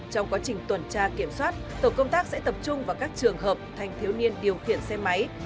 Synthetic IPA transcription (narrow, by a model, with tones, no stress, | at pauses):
t͡ɕɔ˧wŋ͡mkwaː˨˦t͡ɕï˨˩ŋ̟t̪wə˨˩nt͡ɕaː˧ki˧˩əmswaː˦˥t̚t̪o˧˩kə˧wŋ͡mt̪aː˦˥k̚sɛ̰˧˥t̪ə˨˩p̚t͡ɕʊ˧ŋ͡mvaː˨˩kaː˦˥k̚t͡ɕɨ˨˩əŋɦəː˨˩p̚t̪ʰa˨˩jŋ̟t̪ʰi˨˦wni˧ənɗi˨˩əwxḭ˧˨ənsɛ˧ma˨˦j